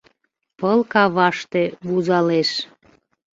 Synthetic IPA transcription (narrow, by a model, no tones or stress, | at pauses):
pəlkɑβɑʃt̪eβuzɑleʃ